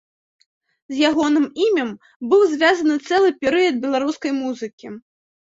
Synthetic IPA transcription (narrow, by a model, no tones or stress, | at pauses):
zʲjaɣɔnɨmimʲɐm | bɨwzʲvʲazɐnɨt̪sɛlˠɨpʲɛɾɨjɐd̪̚bʲɛlˠaɾuskɐjmuzɨkʲi